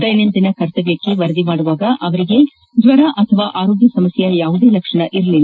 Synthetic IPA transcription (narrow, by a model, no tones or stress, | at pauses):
d̪ɐjnend̪inɐkɐɾt̪ɐʋjɐkːeʋɐɾɐd̪imaːɽuʋaːɡɐʔɐʋɐɾiɡe̞ | d̪ʋɐɾɐʔɐt̪ʰɐʋaːʔaːɾoːɡjɐsɐmɐsjɐjaːʋud̪e̞ːlɐkʂɐɳɐʔiɾɐlilː